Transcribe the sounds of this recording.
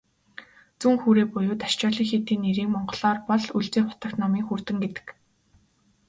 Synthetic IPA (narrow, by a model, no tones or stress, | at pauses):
t͡suːŋxuːɾeːpʊjʊːt̪aʃt͡ɕɔːɮiːŋxet̪iːnːeɾiːŋmɔɴɢɞ̆ɮɔːrpɔɮuɮt͡seːχʊ̥t̪ə̆kt̪nɔmiːŋxurt̪ɘ̆ŋɡet̪ɘ̥̆k